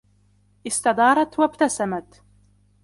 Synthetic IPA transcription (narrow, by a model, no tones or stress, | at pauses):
ʔɪst̪ɑd̪ɑːɾˤɑt̪wabt̪asamat̪